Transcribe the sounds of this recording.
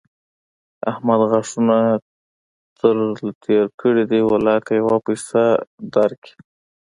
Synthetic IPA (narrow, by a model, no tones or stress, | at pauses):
a̰hmad̪ɣaʂuna | t̪əɾlt̪ʰeɾkʰəɽid̪iwɪlɑjat̪ajawapajsad̪aɾkʰi̥